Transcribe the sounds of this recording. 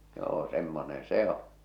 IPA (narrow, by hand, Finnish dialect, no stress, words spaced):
joː semːonen̞ se õː